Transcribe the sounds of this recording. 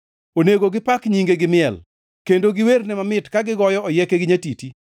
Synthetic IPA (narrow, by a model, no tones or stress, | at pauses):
oneɡoɡɪpakɲiŋɡeɡɪmɪɛl | kendoɡɪwernɛmamɪtkaɡɪɡɔjɔɔjɛkeɡɪɲatiti